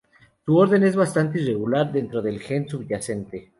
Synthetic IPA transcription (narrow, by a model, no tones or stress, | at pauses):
suo̞ɾðe̞ne̞zβast̪ant̪eire̞ɣulaɾðe̞nt̪ɾo̞ðe̞lxe̞nsuβʝase̞nt̪e̞